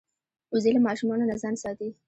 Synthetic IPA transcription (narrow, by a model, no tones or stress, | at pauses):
ʊzelamɑʃumɑnonazɑnsɑt̪i